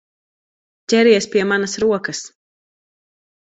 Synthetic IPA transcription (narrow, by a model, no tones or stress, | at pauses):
tʲɛɾiɛspʲiɛmanɐsɾuɔkɐs